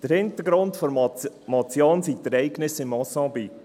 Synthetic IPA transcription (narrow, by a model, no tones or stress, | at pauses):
d̥əɾhɪntəɡɾʊntfoɾmɑt͡sjoːnsitəɾɛɪɡnɪsɪmɔsɑ̃ːbik